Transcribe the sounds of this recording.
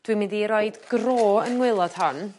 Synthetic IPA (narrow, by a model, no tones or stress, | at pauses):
d̥wimɨðiɾoɨdɡ̥roːənŋwɪlˠɔd̥hɔn